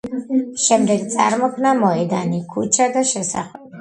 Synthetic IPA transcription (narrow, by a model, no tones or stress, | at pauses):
ʃɛmd̪ɛɡt̪sʼaɾmɔkʰnamɔɛd̪anikʰut͡ʃʰad̪aʃɛsa̰χɛbi